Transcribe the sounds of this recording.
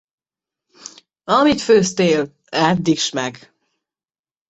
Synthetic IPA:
ɒmit̪føːst̪eːl | ɛd̪ːiʃmɛɡ

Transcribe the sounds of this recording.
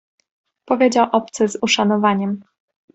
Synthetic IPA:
pɔvʲjed͡ʑawʔɔpt̪sɘzuʂanɔvaɲɛm

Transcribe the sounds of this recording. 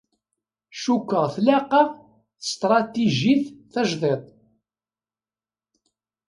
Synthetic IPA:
ʃukːəʁθlæqɑ | θə̥st̪ɾˤɑt̪iʒiθθæʒðˤet̪ˤ

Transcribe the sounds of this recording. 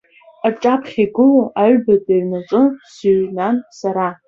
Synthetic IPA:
arʈ͡ʂʼapʰχʲiɡɨloʔaɥbadʼirnaʈ͡ʂʼɨsiɥnansaɾa

